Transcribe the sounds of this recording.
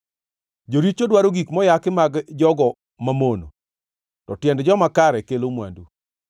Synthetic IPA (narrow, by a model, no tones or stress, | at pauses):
d͡ʒoɾit͡ʃodwaɾoɡikmɔjakɪmaɡd͡ʒɔɡɔ | mamono̰ | tɔtjɛndd͡ʒɔmakaɾɛkelomwa̰ndu